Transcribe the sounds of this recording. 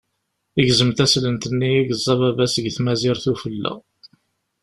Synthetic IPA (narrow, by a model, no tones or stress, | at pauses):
iʝzəmt̪æslənt̪ənːiæɡəzˤːɑvævæsəɡθmæzɪɾθufəlːæ̰